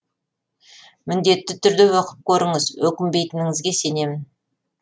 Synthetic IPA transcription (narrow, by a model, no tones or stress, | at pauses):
mɪnd̪e̞t̪ːɪt̪ʰʏɾd̪ɪwɑqə̥p̚kʲʰɵɾəɴəzwɵkʲɪmbe̞jt̪ɪnɪŋɪzɡʲe̞se̞ne̞mɪn